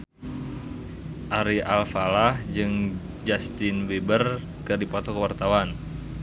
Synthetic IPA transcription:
ʔaɾialfalahd͡ʒɨŋ | d͡ʒast̪ɪnwebər | kɨrdipɔt̪ɔkəwart̪awan

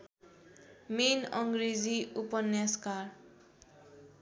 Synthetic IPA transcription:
menʌŋɡred͡ziupʌnjaskar

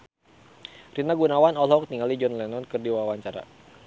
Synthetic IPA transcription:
rinaɡunawanɔlɔk̚t̪iŋalid͡ʒɔnlɛnɔnkɨrdiwawaɲt͡ʃaɾa̰

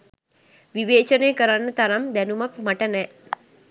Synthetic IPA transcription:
ʋiʋeːt͡ʃəneːkəɾanːət̪aɾamd̪ɛnumakmaʈənɛ

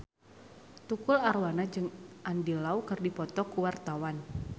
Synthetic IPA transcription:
t̪ukʊlarwanad͡ʒɨŋʔandilaukɨrdipɔt̪ɔkuwart̪awan

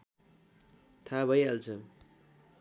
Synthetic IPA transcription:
t̪ʰabʱʌjalt͡sʰʌ

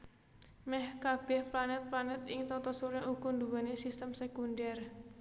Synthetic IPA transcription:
mɛhkab̥ɛ̤hplanɛt̪̚planɛt̪ɪŋt̪ɔt̪ɔsuɾɲaʔukund̪uwanesist̪əmsekundɛr

